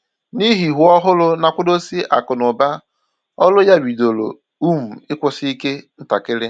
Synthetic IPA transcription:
ni˦ɦi˨ɦu˨˦ɔ˦ɦʊ˦lʊ˦na˨kʷʊ˦do˦si˦ʔa̰˨kʊ˨nʊ˨ba˦ | ɔ˦lʊ˦ja˦bi˨do˨lo̰˨ | u˦m̩˨ɪ˦kʷʊ˨sɪ˦i˦ke˦n̩˦ta˨kɪ˦ɾɪ˦

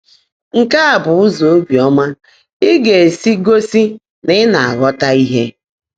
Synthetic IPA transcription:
ŋ̩˨ka˦a˨bʊ˨ʊ˦zo˨o˦bi˨ɔ˦ma˦ | ɪ˦ɡe˨e˨si˦ɡo˦si˦ | nɪ˦na˨a˨ɣɔ˦ta˦i˦ɦe˦

